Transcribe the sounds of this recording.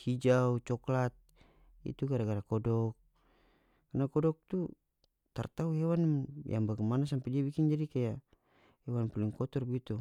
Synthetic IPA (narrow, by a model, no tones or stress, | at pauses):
hid͡ʒaut͡ʃɔklat̪̚ | ḭt̪uɡaɾaɡaɾakɔdɔk̚ː | anakɔdɔk̚t̪u | t̪a̰rt̪auɦɛwanmjʔa̰ŋbaɡamanas̬ampɛd͡ʒiabikind͡ʒadikaja | hɛwanpaliŋkɔt̪ɔrbaɡit̪u